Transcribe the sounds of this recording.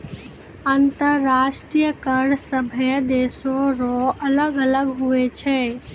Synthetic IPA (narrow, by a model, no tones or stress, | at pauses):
ə̃nt̪əɾːaːʃʈɾijəkəɾɖsəbʱjəd̪eːsõɾoʔɐləɡələɡɦuet͡ʃʰɛː